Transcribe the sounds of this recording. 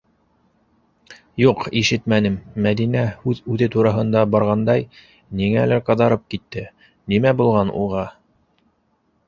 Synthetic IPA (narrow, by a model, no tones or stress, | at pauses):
juqiʃɘt̪mænɘmːæðinæhʉðʉðɘt̪uɾɑɦɤ̆nd̪ɑbɑɾʁɑnd̪ɑj | niŋælæɾqɑðɑɾɤp̚kit̪ːɘ | nimæbulˠʁɑnṵʁɑ